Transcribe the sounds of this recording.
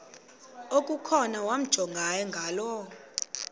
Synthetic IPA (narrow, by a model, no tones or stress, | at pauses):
okʼukʰɔnawam̩d̥ʒ̥ʱɔŋɡʱajɛŋɡʱaːlɔ